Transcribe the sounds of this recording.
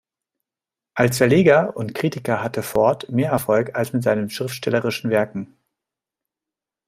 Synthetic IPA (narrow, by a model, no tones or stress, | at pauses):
ʔalsfɛɐleːɡɐʊntkʁ̥iːtɪkɐɦatəfɔɐtmeːɐɛɐfɔlkalsmɪtz̥aɪnənʃʁ̥ɪftʃtɛləʁɪʃn̩vɛɐkŋ̩